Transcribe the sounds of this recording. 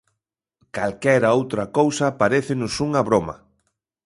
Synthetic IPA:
kalkɛɾɐowt̪ɾɐkowsɐpaɾeθɪnʊsuŋaβɾomɐ̰

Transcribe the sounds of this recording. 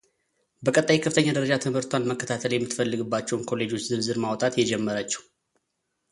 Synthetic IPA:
bəkʼət̪ʼːajikʰəfɨt̪ʰəɲːad̪əɾəd͡ʒat̪ʰɨmhɨɾt̪ʰwanməkʰːət̪ʰat̪ʰəljɛmːɨt̪fəlːɨɡɨbːat͡ʃːɛwunkʰo̞le̞d͡ʒo̞t͡ʃːzɨnzɨɾmawt̪ʼat̪jɛd͡ʒɛmːəɾat͡ʃːɛ̥w

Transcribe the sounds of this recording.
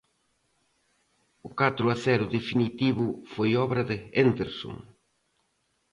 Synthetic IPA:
ʊkat̪ɾʊaθɛɾʊðefinit̪iβʊfojɔβɾɐðɪend̪eɾso̰ŋ

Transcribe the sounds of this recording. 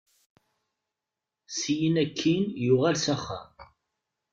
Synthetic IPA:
sijinækʰːinjʊʁælsæχːæ̰

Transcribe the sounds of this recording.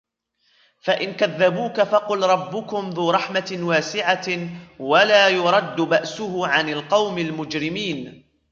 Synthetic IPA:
faʔɪnkaðːabuːkafɑqʊlɾˤɑbːʊkʊmðuːɾˤɑħmawaːsɪʕawalaːjʊɾˤɑd̪ːʊbaʔsʊhʊʕanalqɑwmalmʊd͡ʒɾɪmiːn

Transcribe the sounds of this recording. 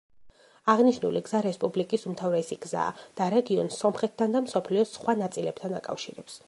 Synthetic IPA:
aʁniʃnṵliɡz̥aɾɛspʼublikʼisumt̪ʰavɾɛsiɡza̰ːd̪̥aɾɛɡiɔnsɔmχɛt̪̚ʰd̪and̪amsɔpʰliɔsχwanat̪sʼilɛb̚t̪ʰana̰kʼa̰fʃiɾɛps

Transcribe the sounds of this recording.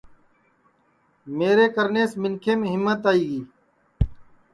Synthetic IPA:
meːɾeːkəɾneːsmɪnkʰeːmẽːɦɪmːət̪aːiːɡiː

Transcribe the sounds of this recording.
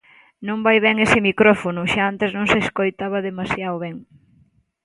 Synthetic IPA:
nõmbajβɛŋesɪmikɾɔfonʊʃaant̪eznõŋseskojt̪aβɐðemasjaoβɛŋ

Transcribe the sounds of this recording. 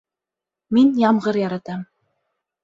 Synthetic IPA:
minjɑmʁɤɾjɑɾɑt̪ɑm

